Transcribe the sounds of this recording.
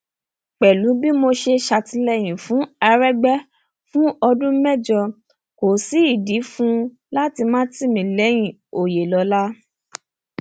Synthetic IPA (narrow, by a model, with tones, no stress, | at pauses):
k͡pɛ˨lu˨˦bi˦mo˧ʃe˧ʃa˧ti˧lɛ˧j̃ĩ˨fũ˨˦a˧ɾɛ˦ɡ͡bɛ˦ | fũ˦ɔ˧dũ˦mɛ˦˨d͡ʒɔ˧ | ko˨si˨˦i˦˨di˨˦fũ˦ | la˦ti˧mãː˦ti˦˨mĩ˨lɛ˨˦j̃ĩ˨o˨je˨lɔ˧la˦